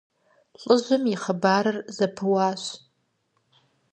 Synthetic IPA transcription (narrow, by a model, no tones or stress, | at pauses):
ɬʼɨʒʷɨmiχəbaɾɨrzapʰɨwaʃʷ